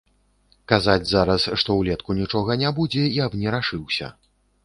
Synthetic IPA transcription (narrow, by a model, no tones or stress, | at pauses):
kazad͡zʲzaɾɐsʂt̪ɔwlʲɛt̪kunʲit͡ʂɔɣɐnʲabud͡zʲɛiabnʲɛɾaʂɨwsʲɐ̰